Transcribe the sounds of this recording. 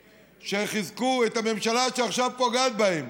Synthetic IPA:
ʃeχizkuet̪ame̞mʃalaʃeaχʃavpoɡat̪̚baem

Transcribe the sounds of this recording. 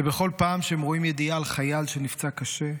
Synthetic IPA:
ebe̞χo̞lpaːmʃeemʁoimjed̪ialχajalʃenift͡sakaʃe̞

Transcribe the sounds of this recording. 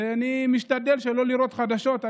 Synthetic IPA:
animiʃt̪ad̪e̞lʃelo̞liɾo̞t̪χad̪aʃo̞t̪a

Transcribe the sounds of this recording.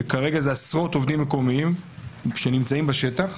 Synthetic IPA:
kaʁe̞ɡazeasʁo̞t̪o̞vd̪imːeko̞miimʃenimt͡saimbaʃe̞taχ

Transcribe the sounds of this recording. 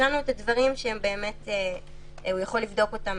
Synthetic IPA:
anuetadvaʁimʃeembe̞ːme̞te | ujaχo̞lːivdo̞ko̞tam

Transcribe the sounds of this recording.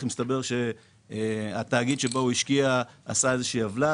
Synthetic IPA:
χmist̪abe̞ʁʃe̞ | at̪aːɡid̪ʃebauiʃkiaːsaezeʃiːavla

